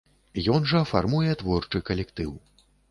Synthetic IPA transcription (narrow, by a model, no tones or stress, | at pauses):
jɔnʐɐfa̰rmujɛt̪vɔrt͡ʂɨkɐlʲɛkt̪ɨw